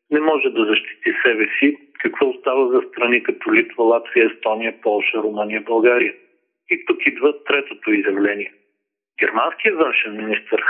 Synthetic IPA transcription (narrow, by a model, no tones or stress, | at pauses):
nɛmɔʒɛd̪ɐzɐʃt̪i̥t̪isɛbɛsikɐkvɔʊst̪avəzɐst̪ɾɐnikɐt̪ɔlit̪vɐlˠat̪vijəɛst̪ɔnijəpɔlˠʃəɾomɤnijəbɐlˠɡaɾijə | it̪ukid̪vət̪ɾɛt̪ot̪oizjɐvlɛniɛ | ɡʲɛɾmansk̟ijəvənʃɛnminist̪əɾ